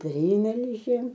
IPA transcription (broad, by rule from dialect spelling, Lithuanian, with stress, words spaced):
ˈpʲrʲiːmʲɛlʲʒʲeːm